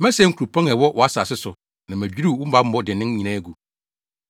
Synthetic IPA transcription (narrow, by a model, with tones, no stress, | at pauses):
mæ̃˦sɛ̃˦ŋ̩˦ku˨ɾu˨pʰã˦ŋɛ˨wɔ˦ʔɔ˨a˦sa˨sɪ˦sʊ˨ | nã˨mæ̃˨d͡ʑᶣi˦ɾi˦˨wʊ̃˦m̩˦ba˦m̩˦bɔ˦dɪ˨nɪ̃˦ŋ˦ɲĩ˨nãː˦ɡu˨